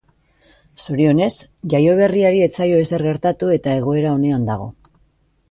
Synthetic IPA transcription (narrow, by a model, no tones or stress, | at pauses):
soɾio̞ne̞sʝajo̞β̞e̞riaɾie̞t͡sajo̞e̞se̞ɾɣe̞ɾt̪at̪ue̞t̪ae̞ɣ̞o̞e̞ɾao̞ne̞and̪aɣ̞o̞̰